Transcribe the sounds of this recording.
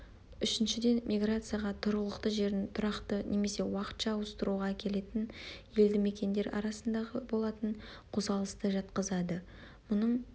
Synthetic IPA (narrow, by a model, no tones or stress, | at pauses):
ʏʃɪnʃɪd̪e̞nmʲʔʲijɡrat̪sɨjaʁɑt̪ʰʊɾəlˠəqt̪əʒe̞ɾɪnt̪ʰʊɾɑqt̪ənʔe̞me̞se̞wɑqə̥t̪ʃɑːwəst̪əɾuʁɑkʲʰe̞le̞t̪ɪnje̞ld̪ɪme̞kʲe̞nd̪e̞ɾɑ̰ɾɑsənd̪ɑʁəbo̞lˠɑt̪əɴqʰʊzɑlˠəst̪əʒɑt̪qəzɑd̪ə | mʊnəɴ